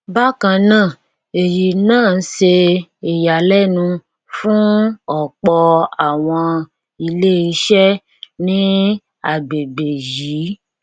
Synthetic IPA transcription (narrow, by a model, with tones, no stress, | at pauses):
ba˦kã˧nãː˦˨ | e˨ji˨nãː˦˨n̩˦se˧e˨ja˨lɛ˦nũ˧ | fũ˦ɔ˨k͡pɔ˧a˨w̃ɔ̃˧ | i˧le˦i˧˦ʃɛ˦ | nĩ˦ | a˨ɡ͡be˨ɡ͡be˨ji˨˦